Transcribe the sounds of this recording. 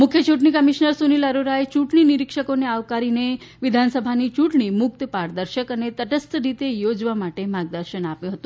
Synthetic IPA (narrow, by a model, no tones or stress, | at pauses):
mukʰjət͡ɕʰuʈɳikəmiʃnəɾsuniləɾoɾajt͡ɕuʈɳiniɾikʂəkoneaʋkaɾine | ʋid̪ʱansəbʱanit͡ɕuʈɳimuk̚t̪əpaɾd̪əɾɕəkənet̪əʈəst̪əɾit̪ejod͡ʑʋamaʈemaɡ̚d̪əɾɕəɳapjũɦət̪ũ